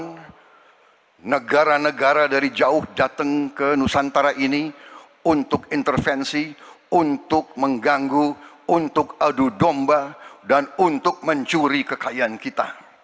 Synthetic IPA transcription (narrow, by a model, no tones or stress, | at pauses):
n | nəɡaɾanəɡaɾadaɾid͡ʒaʊhdat̪əŋkənusant̪aɾaʔini | unt̪ʊkint̪ərfɛnsi | unt̪ʊk̚məŋɡaŋɡu | unt̪ʊkadudɔmbadanunt̪ʊk̚məɲt͡ʃuɾikəkaiankit̪a̰